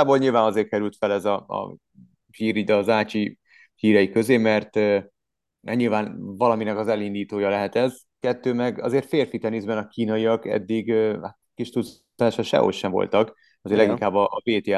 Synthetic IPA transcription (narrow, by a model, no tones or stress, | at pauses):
aːboːlɲilvaːnɒzeːr̚kɛɾylt̪fɛlɛzɒɒ̰ | hiːɾid̪ɒːzaːt͡ʃi | hiːɾɛikø̞zeːmɛrt̪ː | ɛɲilvaːnvɒlɒminɛkɒzɛlind̪iːt̪oːjɒlɛɦɛt̪ɛz | kɛt̪ːøːmɛɡɒ̰zeːrt̪feːrfit̪ɛnizbɛnɒkiːnɒiɒkɛ̰d̪ːiɡhat̪kiʃt̪ut̪s | aːʃɒʃɛ̰ɦo̰ʃːɛɱvo̰lt̪ɒk | ɒzeːɾlɛɡiiŋkaːbːɒʔːpeːt̪ja